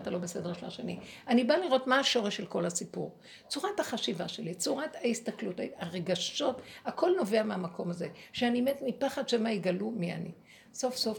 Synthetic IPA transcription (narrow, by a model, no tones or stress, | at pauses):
t̪alo̞besedeʃela̰ʃenianibaliʁo̞tmaːʃo̞ʁeʃelko̞lhasipṵʁ | t͡suʁathaχaʃivaʃe̞lit͡suʁataistaklutaaʁeɡaʃo̞tako̞lno̞ve̞ameamako̞maze̞ʃeanime̞tmipaχadʃemaiɡalumia̰nḭ | so̞fsof